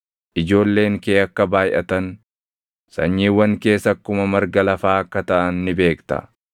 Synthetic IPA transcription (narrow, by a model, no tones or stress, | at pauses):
ʔɪd͡ʒo̞ːlːe̞ːŋkeːɐkːɐbaːjʔɐt̪ɐn | sɐɲːiːwːɐŋke̞ːsɐkːʊmɐmɐɾɡɐlɐfaːɐkːɐt̪ɐʔɐnːɪbe̞ːkt̪ɐ̰